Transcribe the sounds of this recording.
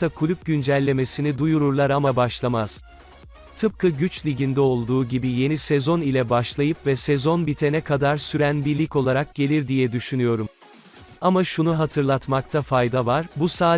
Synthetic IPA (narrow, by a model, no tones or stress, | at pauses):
akʰulʲyp̚ɟynd͡ʒælʲːe̞me̞sinid̪ujuɾuɾlˠaɾamabaʃlˠamaz̥ | t̪ʰɯp̚kʰɯɟyt͡ʃlʲiɟind̪ɛo̞lˠd̪uːɟibije̞nisɛzo̞nilʲɛbaʃlˠajɯpvɛsɛzo̞nbit̪ʰe̞nɛkʰad̪aɾsyɾænbiɾlʲico̞lˠaɾak̚ɟ̥e̞lʲiɾd̪ijɛd̪yʃynyjo̞ɾum | amaʃunuɦat̪ʰɯɾlˠat̪mak̚t̪ʰafajd̪avaɾbusaː